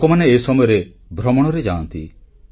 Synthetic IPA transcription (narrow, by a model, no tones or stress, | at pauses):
kɔmaneːsɔmɔjɔɾe | bʱɾɔmɔɽ̃ɔɾed͡ʒaɔnt̪ḭ